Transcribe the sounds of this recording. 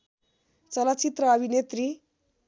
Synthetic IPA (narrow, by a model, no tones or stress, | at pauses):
t͡səlat͡ɕit̪ɾəːbʱinet̪ɾi